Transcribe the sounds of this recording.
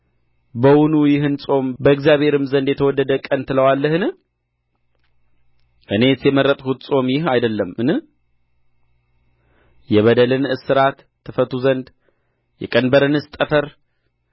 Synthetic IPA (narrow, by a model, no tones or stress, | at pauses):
bəwunujɪɦɨnsʼo̞mbəɨkzjaβhe̞ɾɨmzənd̪jɛt̪ʰəwɔd̪ːəd̪əkʼənt̪ʰɨləwalːəhɨnɨ | ʔɨne̞t̪jɛməɾːət̪ʼkʰut̪sʼo̞mjɪhajd̪əlːəmɨnɨ | jɛβəd̪əlɨnɨsɨɾat̪ʰːɨfət̪ʰuzənd̪ | jɛkʼənbəɾɨnɨst̪ʼəfəɾ